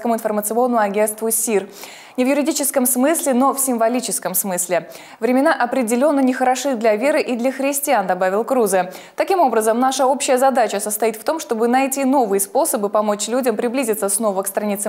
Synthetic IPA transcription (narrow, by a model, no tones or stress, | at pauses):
kəmʊɪnfərmət̪sɨo̞nːəmʊɐɡʲe̞nst̪vʊsʲir | nʲɪvjʊɾʲɪdʲit͡ɕɪskəmsmɨsʲlʲɪno̞fsʲɪmvɐlʲit͡ɕɪskəmsmɨsʲlʲɪ | vɾʲɪmʲɪnaʔɐpɾʲɪdʲɪlʲo̞nːənʲɪxəɾɐʂɨd̪lʲɐvʲeɾɨʔid̪lʲɐxɾʲɪsʲtʲɪand̪ɐbavʲɪlˠkɾuzə | t̪ɐkʲimo̞bɾəzəmnaʂəo̞pɕːɪjəzɐd̪at͡ɕəsəst̪ɐjit̪ft̪o̞mʂt̪o̞bɨnɐjtʲino̞vɨjəspo̞səbɨpɐmo̞t͡ɕlʲudʲəmpɾʲɪblʲizʲɪt̪səsʲno̞vəkst̪ɾɐnʲit̪sə